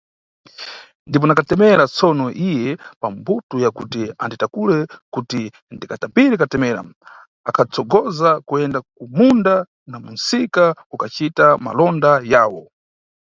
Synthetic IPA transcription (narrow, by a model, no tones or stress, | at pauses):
ndip̬ɔnakatɛmɛɾat͡sɔnɔʔijɛpambutujakutia̰nditakulɛkuti | ndikatambiɾɛkatɛmɛːɾa̰ | akʰat͡sʰɔɡɔzakuɛndak̚umunda | namunsikaukat͡ʃitama̰lɔndajaːwɔ